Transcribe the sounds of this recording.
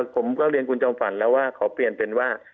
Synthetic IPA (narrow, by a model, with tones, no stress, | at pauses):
pʰo˩˦mkɔː˥˩ɾi˧nkʰu˧nt͡ɕɔː˧mfa˩˦nlɛː˦˥waː˥˩kʰa˨˩˦wpli˨˩ənpe˧nwaː˥˩